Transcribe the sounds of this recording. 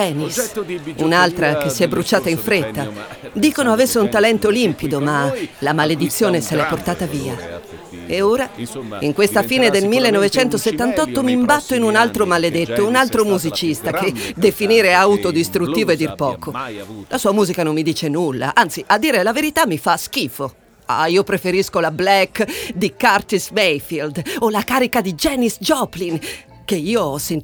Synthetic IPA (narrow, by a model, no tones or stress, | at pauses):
ɛːnisunalt̪ɾakesːiɛbɾut͡ʃaːt̪aiɱfɾet̪ːa | d̪iːkonoavesːeunt̪alɛnt̪olimpid̪omalamaled̪it̪sːjoːneselɛpːort̪aːt̪aviːa̰ | eoːɾaiŋkwest̪afiːned̪elmilːenːɔvet͡ʃɛnt̪oset̪ːant̪ɔt̪ːomimbat̪ːoinunalt̪ɾomaled̪et̪ːounalt̪ɾomuzit͡ʃist̪ak̟ed̪efiniːɾeawt̪od̪ist̪ɾut̪ːiːvoed̪ːirpɔːkolʔasuːamuːzikanomːid̪iːt͡ʃenulːa̰ʔant̪siʔad̪ːiːɾelaveɾit̪amːifask̟iːfo | a̰iːopɾefeɾiskolablɛkːd̪ikart̪ismejfild̪olakaːɾikad̪id͡ʒɛːnisd͡ʒɔpliŋ | keiːoɔsen